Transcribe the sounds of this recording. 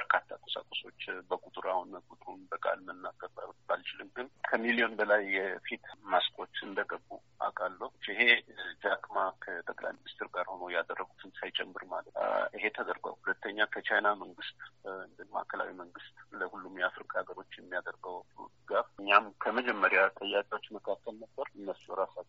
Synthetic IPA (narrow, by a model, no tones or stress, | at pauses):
bəɾkʰat̪ʰːakʼosa̰kʼoso̞t͡ʃːbəkʼut̪ʼɾahunəkʼut̪ʼɾunbəkʼa̰lmənːaɡəɾabalt͡ʃɪlɨnɡɨnkʰəmilijo̞nbəlajːɛfit̪maskʰʼo̞t͡ʃ̪ɨnd̪əɡəbːṵ | a̰kʼalːəhɨɦe̞d͡ʒaɡʼmakʰət̪ʼəkʼla̰jminist̪ʰɪɾɡaɾho̞no̞jad̪ərːəɡut̪ʰɨnsajt͡ʃʼɛmːɨɾmalʔɨɦe̞t̪ʰəd̪əɾɡə̰whulət̪ːəɲːakʰət͡ʃʰajnaməŋɡɨst̪ʼɨnd̪ɨma̰ʔkʰəla̰wiməŋɡɨst̪ʼləhulːumjafɾikʼaɡəɾo̞t͡ʃːjɛmːijad̪əɾɡəw̰d̪ɨɡafɨɲːamkʰəməd͡ʒɛmːəɾjat̪ʼəjːakʼewo̞t͡ʃːməkʰakːəlnəbːəɾɨnːəsiwɾasat͡ʃː